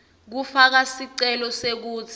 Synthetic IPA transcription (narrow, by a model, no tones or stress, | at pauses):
k̬ufak̬asiǀɛlɔsek̬uːt͡sʰ